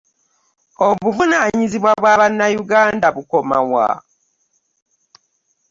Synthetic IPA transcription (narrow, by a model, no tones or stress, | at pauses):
oβuvunaːɲiziβwaβwaːβanːajuɡaːndaβuko̞ma̰wa̰